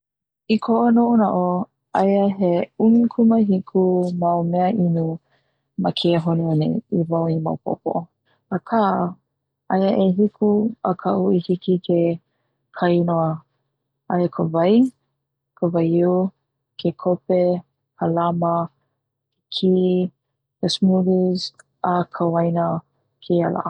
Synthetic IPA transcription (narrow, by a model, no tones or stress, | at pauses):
ikʰoʔonoʔonaʔo | ajəɦeuŋikʰuməɦikʰumaomɛəʔinu | makʰeɦoneonḛivawima̰wpʰo̰po̰ | əkʰaʔ | ʔɐjəʔeɦikʰuəkʰɐʔuihikikʰe | kʰainoə | ʔaekʰəvaj | kʰəvajiw | kʰekʰope | həlamə | kʰi | kəsmudiz | ʔakʰawajnə | kʰeala̰